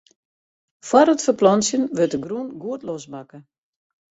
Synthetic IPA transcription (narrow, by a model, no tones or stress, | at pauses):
fwɔrətfərplɔnsjənʋøtəɡrunɡuətlɔsmakə